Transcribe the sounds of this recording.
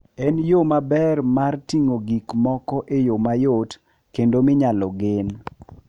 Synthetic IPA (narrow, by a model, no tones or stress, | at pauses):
ɛnjomabɛrmartiŋoɡikmɔkɔʔejomajot | kendomɪɲalɔɡɪn